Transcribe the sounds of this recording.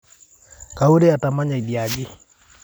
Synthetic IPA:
ka˨u˦ɾe˦a˨ta˨ma˦ɲa˨i˨di˨a˨ɡe˦

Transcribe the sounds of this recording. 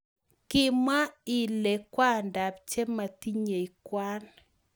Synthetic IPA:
kɪ˦˨ma˦i˨le˨kwa˦nda˨p̚t͡ʃe˦ma˨ti˦ɲe˨i˨kwa˦n

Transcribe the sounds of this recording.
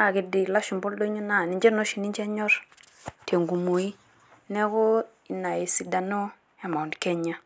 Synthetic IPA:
a˨ki˦˨di˨la˦ʃu˨mbo˦ldo˦ɲo˦na˦˨ni˨d͡ʒe˦no˦ʃi˨ni˦nd͡ʒe˦ɲo˦ɾ | te˨ŋɡu˨mo˨i˦ | ne˦ko˦ | i˨na˨ji˨si˨kda˨no˦ | ja˨ma˨u˨ndke˦ɲa˦

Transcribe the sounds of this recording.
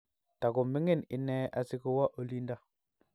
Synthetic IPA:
ta˨ɡu˨mi˦ŋi˦nḭ˨˦ne˦a˨si˦ku˦wa˦ʔo˨li˦nda˦

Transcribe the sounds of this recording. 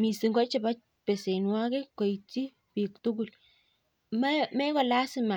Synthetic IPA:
mi˨si˨ŋɡɔ˦t͡ʃɪ˨ba˦ | pe˨se˨nwa˦kɛ˦kɔ˨it͡ʃi˦ | pi˨ktu˦ɡu˨l | mmɛ˦kɔ˨la˦sɪ˦ma˨

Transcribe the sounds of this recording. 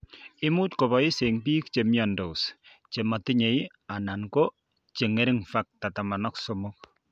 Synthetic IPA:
ɪ˦mu˦tko˨βɔi˦se˨ŋpiː˦k̚t͡ʃemjando˨ws | t͡ʃe˨ma˨tɪ˦ɲe˨j | a˨na˨nko˦ | t͡ʃe˨ŋe˦ɾɪ˦ŋfak̚ta˨ta˨ma˨nɔ˦ksɔmok̚

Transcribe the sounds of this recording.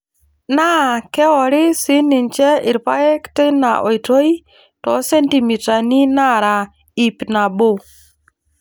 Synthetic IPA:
na˦˨kɛ˦ɔ˨ɾɪ˦sɪ˨˦nɪ˨nt͡ʃɛ˦ɪ˨ɾpa˦jɛ˦ktɪ˦na̰˨ʔo˨i˨to˦i˦ | tɔ˨˦sɛ˦nti˨mi˨ta˨ni˦na˦ɾa˨ | i˨pna˨bo˦˨

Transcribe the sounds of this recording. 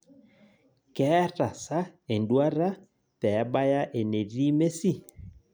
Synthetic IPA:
kɛ˨˦ɾa˨sa˦e˨ndwa˦ɾa˦ | pɛ˨˦ɓa˦ja˦ʔe˨ne˨ɾi˦me˦si˦˨

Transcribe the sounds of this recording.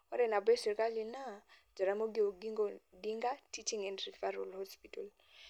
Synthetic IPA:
ɔ˦ɾɛ˨na˨bɛ˦sɛ˨ka˦li˨na˦d͡ʒɔ˨ɾa˦mo˦ɡi˦o˨ɡiŋɡɔdi˦ŋɡa˦tʰi˦t͡ʃi˦ŋɛ˨ndri˨faɾɔlhɔspitɔl

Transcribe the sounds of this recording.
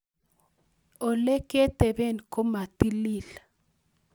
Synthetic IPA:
o˨le˦ke˦t̪e˨be˦˨nko˦ma˨ti˦li˦˨la

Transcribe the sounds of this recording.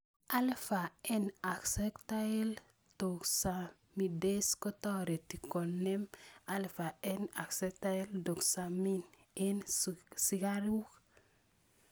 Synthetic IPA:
ʔa˦lfa˨e˦na˨ksɛ˦kta˦e˦l | t̪o˨ksa˨ | mi˨de˦sko˦t̪ɔ˦ɾe˨t̪i˨ko˨nːe˦ma˦lfa˨ena˨ksɛ˦k̚t̪a˦e˦ldo˨ksa˨mi˦n | e˦nsi˨ɡaɾu˦k

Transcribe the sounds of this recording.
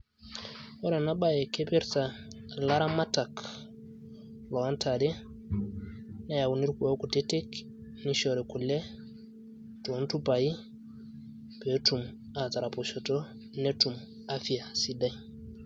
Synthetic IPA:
wɔ˦ɾɛ˨na˦ba˨je˨ke˦pe˦ɾta˨ | la˦ɾa˦ma˦ta˨k | lɔ˨a˦ntʰa˨dɛ˦ | na˦ja˨wu˨ni˦ɾku˨o˦ku˨te˦te˦k | ni˦ʃɔ˨ɾɛ˨ku˨lɛ˦ | tu˨˦ntu˦pa˨ji˦ | pe˨˦tu˨m | a˨ta˨ɾa˨po˨ʃo˨to˦ | ne˦tu˨m | a˦fi˨a˨si˦da˦j

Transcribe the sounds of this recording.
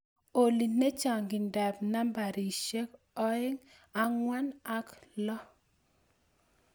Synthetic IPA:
o˨li˨ne˦t͡ʃa˨ŋɡɪ˨ndɛ˨pna˦mba˨ɾi˨ʃe˦k | ɔ˦ɪ˦ŋ | a˨ŋwa˦na˦klɔ˦

